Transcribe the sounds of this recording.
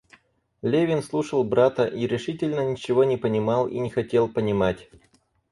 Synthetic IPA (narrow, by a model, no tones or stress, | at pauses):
lʲevʲɪnslˠuʂəlˠbɾat̪əʔiɾʲɪʂɨtʲɪlʲnənʲɪt͡ɕɪvo̞nʲɪpənʲɪmɑlˠḭnʲɪxɐtʲe̞lˠpənʲɪmatʲ